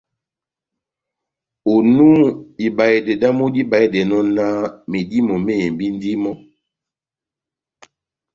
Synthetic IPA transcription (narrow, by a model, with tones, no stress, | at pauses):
o˨nu˦i˨ba˨e˨de˨da˦mo˦di˦ba˨i˦de˨nɔ˦na˦me˨di˦mɔ˨me˦e˨mbi˦n˦di˦mɔ˦